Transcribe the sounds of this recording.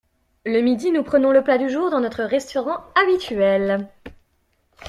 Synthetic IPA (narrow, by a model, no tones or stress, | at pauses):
ləmid̪inupχənɔ̃ləplad̪yʒuʁd̪ɑ̃nɔt̪χəʁɛst̪ɔʁɑ̃abit̪ɥɛl